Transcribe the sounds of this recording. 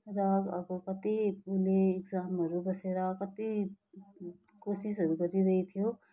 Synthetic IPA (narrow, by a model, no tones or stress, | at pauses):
ɾaɡʌ̰bokʌt̪ipuleːɡd͡zamɦʌɾubʌseɾakʌt̪i | kosis̬ɦʌɾuɡʌɾiɾʌɦit̪ʰijo